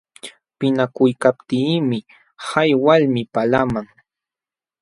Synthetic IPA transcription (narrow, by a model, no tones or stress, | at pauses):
pɪnakʊjkap̚t̪iːmɪ | hajwalmɪpalamaŋ